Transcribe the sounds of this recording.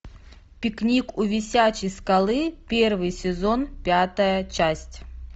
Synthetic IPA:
pʲɪknʲikuvʲɪsʲat͡ɕɪjskɐlˠɨpʲe̞rvɨjsʲɪzonpʲat̪əjət͡ɕasʲtʲ

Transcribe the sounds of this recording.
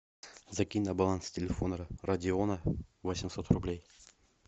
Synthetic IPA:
zɐkʲinʲnɐbalˠanstʲɪlʲɪfonəɾərɐdʲɪonəvosʲɪmsot̪rʊblʲej

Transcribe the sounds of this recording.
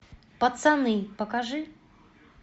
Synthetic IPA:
pɐt̪sanɨpɐkaʐɨ

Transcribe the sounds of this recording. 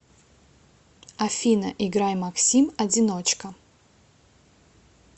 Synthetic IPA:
afʲinɐ̰ʔiɡɾajmaksʲimɐd͡zʲinot͡ʃkɐ

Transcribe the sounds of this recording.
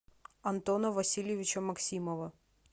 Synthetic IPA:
ɐnt̪onəvɐsʲilʲjɪvʲɪt͡ɕəmɐksʲiməvə

